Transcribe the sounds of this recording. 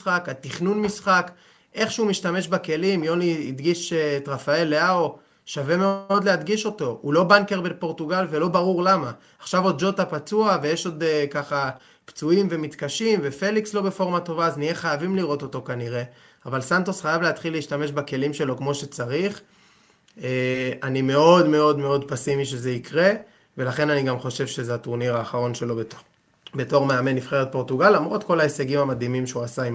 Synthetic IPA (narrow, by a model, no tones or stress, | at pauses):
χakat̪iχnunmisχak | ʔe̞χʃeumiʃtame̞ʃbake̞limjo̞niːd̪ɡiʃeːt̪ʁafae̞lːeao | ʃave̞me̞o̞d̪lehad̪ɡiʃo̞to̞ulo̞bankeʁbepo̞ʁtuɡalve̞lo̞baʁuʁlamaː | χʃavo̞d̪̚d͡ʒo̞t̪apat͡suave̞je̞ʃo̞d̪kaχa | pt͡suimve̞mit̪kaʃimve̞fe̞likslo̞be̞fo̞ʁmato̞vaːznieχajavimliʁo̞t̪o̞t̪o̞kaniʁe̞ | avalsant̪osχajavleat̪χilːeiʃtame̞ʃbake̞limʃe̞lo̞kmo̞ʃe̞t͡saʁiχ | eanime̞o̞dme̞o̞dme̞o̞dpasimiʃeze̞ikʁe̞ | ve̞laχe̞naniɡamχo̞ʃe̞vʃe̞zeatuʁniʁaːχaʁo̞nʃe̞lo̞ | be̞to̞ʁmeame̞nːifχe̞ʁet̪̚po̞ʁtuɡalːamʁo̞t̪ko̞laeseɡimhamad̪imimʃeuasaim